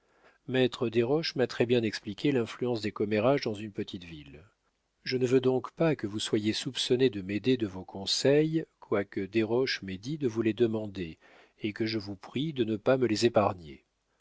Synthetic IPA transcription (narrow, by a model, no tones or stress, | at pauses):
mɛt̪χəd̪eʁɔʃmat̪χɛbjɛ̃nɛksplikʲelɛ̃flyɑ̃sd̪ekɔmeʁaʒd̪ɑ̃zynpət̪ʰit̪vil | ʒənəvød̪ɔ̃kpakəvuswajesupsɔned̪əmed̪ed̪əvokʰɔ̃sɛjkwakəd̪eʁɔʃmed̪id̪əvuled̪əmɑ̃d̪e | ekəʒəvupχid̪ənəpaməlezepaʁnjḛ